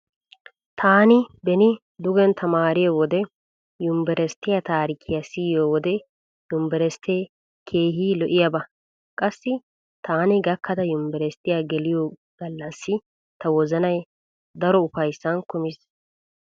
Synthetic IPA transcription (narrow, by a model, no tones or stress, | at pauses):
t̪ʰaːnɪbɛnɪ | d̪ʊɡɛnt̪ʰɐmaːɾɪjoːwɔd̪ɛ | jʊmbɛɾɛst̪ɪjat̪aːɾɪkʰːɪjɐsiːjoːwɔd̪ɛ | jʊmbɛɾɛst̪eː | kʰeːɦiːlɔʔɪjɐbɐ | kʼɐsːɪ | t̪aːnɪɡɐkʰːɐd̪ɐjʊmbɛɾɛst̪ɪjaːɡɛlɪjoː | ɡ̥ɐlːɐsːɪ | t̪ɐwɔzɐnɐj | d̪ɐɾɔʊfɐjsːɐnkʊmɪs